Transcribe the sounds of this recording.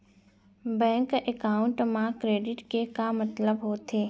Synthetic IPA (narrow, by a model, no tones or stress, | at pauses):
bɛ̃ːŋkekaːʊɳʈmãkɾeːɖɪʈkekamɐt̪ləbɦoːt̪ʰeː